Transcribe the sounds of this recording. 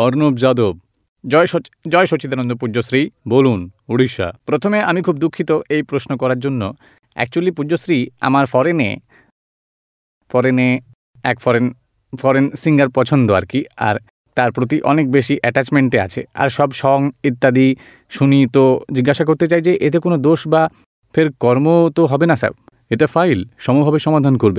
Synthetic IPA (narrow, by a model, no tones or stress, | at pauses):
ɔɾnobd͡ʑad̪ob̚ | d͡ʑɔeʃot͡ɕid̪anond̪opud͡ʑosɾibolunuɽiʃa̰pɾot̪ʰomeamikʰub̚d̪ukʰːit̪oejpɾosnokɔɾaɾd͡ʑonːo | ɛ̰k̚t͡ɕualipuosɾia̰maɾfɔɾenḛ | fɔɾene | ɛkfɔɾen | fɔɾensiŋɡaɾpɔt͡ɕʰond̪oa̰ɾkia̰ɾ | t̪aɾpɾot̪̬iʔɔ̰nek̚beʃiʔɛʈat͡ɕmeɳʈea̰t͡ɕʰḛa̰ɾʃɔbʃɔŋit̪ːad̪i | ʃunit̪od͡ʑiɡːaʃakoɾt̪et͡ɕajd͡ʑeʔet̪ekonod̪oʃba | fʰeɾkɔɾmot̪oɦɔbenasa̰b̚ | eʈafʰajlʃɔmubʱabeʃɔmad̪ʱankoɾbe